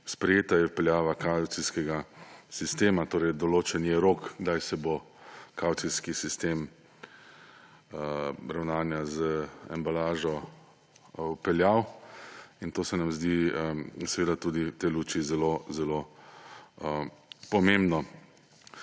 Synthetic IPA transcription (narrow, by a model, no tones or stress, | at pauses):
spɾɛjeːt̪ajɛwpɛljaːʋakawt̪iskɛɡasist̪eːmat̪oːɾɛjd̪ɔloːt͡ʃɛnjɛɾoːkɡd̪ajsɛbo | kawt̪siskisist̪eːm | ɾawnaːnjazəɛ̰mbalaːʒɔ | wpɛljaw | int̪oːsɛnamzd̪iəsɛʋeːd̪at̪uːd̪it̪eluːt͡ʃizɛlozɛlo | əpɔmẽmbnɔ